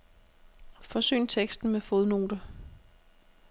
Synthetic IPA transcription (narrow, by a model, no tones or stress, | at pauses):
fɒ̽sø̰ːnt͡sʰeɡ̥sd̥n̩mefoðˠno̝ːd̥ə